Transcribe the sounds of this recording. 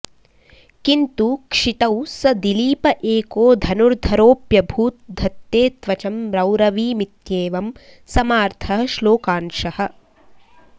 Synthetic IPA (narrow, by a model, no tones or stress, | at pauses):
kint̪ukʂit̪ɐwsɐd̪iliːpɐʔeːkoːd̪ʱɐnuɾd̪ʱɐɾoːpjɐbʱuːt̪̚d̪ʱɐt̪jeːt̪ʋɐt͡ʃɐmɾɐwɾɐʋiːmit̪jeːʋɐm | sɐmaːɾt̪ʰɐɦɐʃloːkaːnʃɐhɐ̆